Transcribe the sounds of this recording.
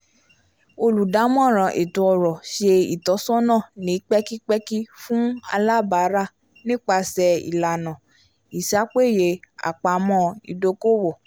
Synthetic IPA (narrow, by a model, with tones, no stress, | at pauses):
o˧lu˨da˨˦mɔ̃˦˨ɾ̃ã˨ʔe˨tu˧˦ɔ˧ɾɔ˨ʃe˧ḭ˨tɔ˨˦sɔ̃˦nã˦˨nĩ˨˦k͡pɛ˦ki˦k͡pɛ˦ki˦fũ˦a˧la˦ba˨˦ɾa˦˨ | nĩ˦k͡pa˧sɛ˧ḭ˨la˨nã˨ | i˨sa˨˦k͡pe˦˨je˨˧a̰˨k͡pa˨mɔ̃˧ḭ˧do˧ko˦˨wɔ˨